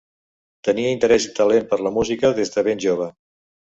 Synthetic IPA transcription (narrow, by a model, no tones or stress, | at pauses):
t̪əniəint̪əɾɛzit̪əlempəɾləmuzikəðezðəβenʲʒoβ̞ə